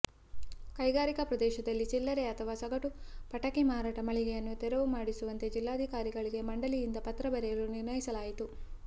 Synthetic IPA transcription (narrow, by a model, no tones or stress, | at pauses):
kɐjɡaːɾikɐpɾɐd̪ɛːʃɐd̪ɐlːit͡ʃilːɐɾeɐt̪ʰɐʋaːsɐɡɐʈupɐʈɐkemaːɾaːʈɐmɐɭiɡejɐnːut̪ɛɾɐʋumaːɽisuʋɐnt̪e̞d͡ʒilːaːɐd̪ʱikaːɾiɡɐɭiɡe̞mɐɳɖɐlijind̪ɐpɐt̪ɾɐbɐɾɛjɐlːuniɾnɐjisɐlaːjit̪u